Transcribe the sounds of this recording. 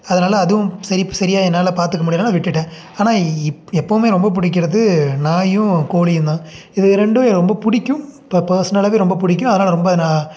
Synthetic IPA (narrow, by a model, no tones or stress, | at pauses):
ɐðɐnaːlɐːðɯʋɯ̃sɐɾɪsɐɾɪjaːɛnːaːlɐpaːɾt̪ɯkːɐmuːɽɪjɐnːaːlʋɪʈːɪʈːẽː | aːnaːɛpːɐʋɯmeːɾɔmbɐp̬ʊɽɪk̬ʲːɪɾɐðɯnaːjɯ̃koːɭɪjɯnd̪ãː | ɪðɯɾɛɳɖɯʋɐɾɾɔmbɐpʊɽɪkʲːɯ̃m | pɐɾsɐnɐlɐʋeːɾɔmbɐpʊɽɪk̬ʲːɯ̃mɐðɐnaːlɐɾɔmbɐðnaː